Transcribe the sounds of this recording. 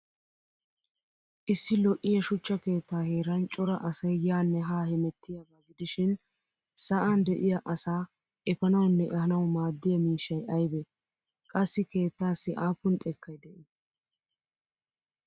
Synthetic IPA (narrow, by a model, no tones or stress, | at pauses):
ʔɪsːɪlɔʔɪjɐʃʊt͡ʃːɐke̞ːt̪ːaːheːɾɐnt͡ʃʼɔɾɐʔɐsɐjjaːnːɛɦaːhɪmɛt̪ːɪjɐbɐɡɪd̪ɪʃɪn | sɐʔɐnd̪ɛʔɪjɐʔɐsaː | ʔɛfɐnɐwnːɛʔɛhɐnɐwmaːd̪ːɪjɐmiːʃːɐjɐjbɛ | kʼɐsːɪke̞ːt̪ːaːsːɪʔaːpːʊnt̪ʼɛkʰːɐjd̪ɛʔɪ